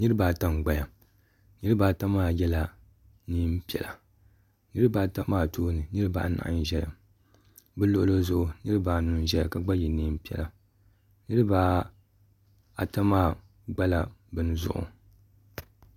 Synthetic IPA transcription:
nɨ˦ɾɨ˦baː˨ta˦mɡ͡ba˨ja˨ | nɨ˦ɾɨ˦baː˨ta˦maː˦˨jɛ˦la˨ | niː˦m˦pi˨ɛ̰˨la˨ | nɨ˦ɾɨ˦baː˦˨ta˦maː˦˨tʰoː˦nɨ˨nɨ˦ɾɨ˦ba̰ː˦na̰˨ʔn˨ʒɛ˦la̰˨ | bɨ˦lʊ˦˨ʔʊ˦lo˦zʊ˦ʔʊ˨nɨ˦ɾɨ˦baː˨nu˨n˦ʒɛ˦a˨ka˨ɡ͡ba˦jɛ˨niː˦m̩˦pi˨˦ɛ̰˨la˨ | nɨ˦ɾɨ˦ba˦ | a̰˨ta˦maː˦˨ | ɡ͡ba˦la˨bɨ˦n˦zʊ̰˦ʔʊ̰˨

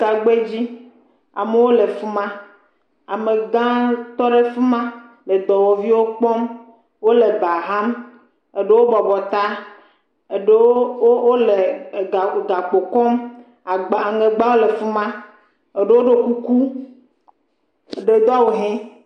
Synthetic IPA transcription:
ka˨ɡ͡be˦d͡ʑi˦ | a̰˨me˨˦wo˦le˨fu˦mã˦ | a˨me˨ɡã˦t̪ɔ˦ɖe˦fu˦mã˦ | le˨d̪ɔ˨wo˨vi˦wo˦k͡pɔ˦m | wo˦le˨ba˨ɦa˦m | e˨ɖe˦wo˦bɔ˨bɔ˨t̪a˦ | e˨ɖe˦wo˦le˨ | ɡa˨k͡po˨kɔ˦m˨ | ɡ͡bŋe˨ɡ͡ba˦wo˦le˨fu˦mã˦ | e˨ɖe˦wo˦ɖe˦ku˦ku˦˨ | ɖe˨˦d̪ɔ˦a˦˨wo˨ɦɛ̃˦

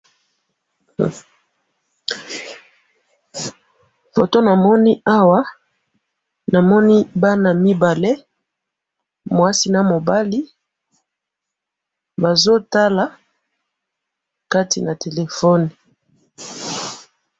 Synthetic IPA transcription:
fo˨to˦na˨mɔ˦ni˦a˦wa˦ | na˨mɔ˦ni˦ba˦na˨mi˦ba˨le˦ | mwa˦si˦na˨mo˨ba˦li˦ | ba˨zo˦ta˦la˨ | ka˦tḭ˨na˨te˨le˨fɔ˦ni˨

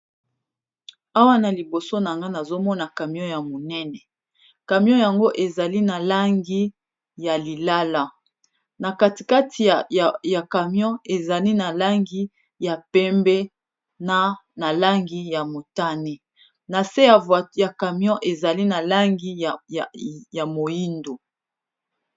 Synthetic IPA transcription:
a˦wa˦na˨li˨bo˨so˦na˨ŋɡa˦na˨zo˦mɔ˦na˨ka˨mjɔ̃˦ja˨mo˨nɛ˦nɛ˨ | ka˨mjɔ̃˦ja˨ŋɡo˦ʔe˨za˨li˦na˨la˦ŋɡi˦ | ja˨li˨la˦la˦ | na˨ka˦ti˨ka˦tʰi˨ja˨ka˨mjɔ̃˦e˨za˨li˦na˨la˦ŋɡi˦ | ja˨pɛ˦mbɛ˦ | na˦na˨la˦ŋɡi˦ja˨mo˨ta˦ne˨ | na˨se˦ja˨ja˨ka˨m˦ɔ̃˦ʔe˨za˨li˦na˨la˦ŋɡi˦˨ | ja˨mo˨ji˦ndo˨

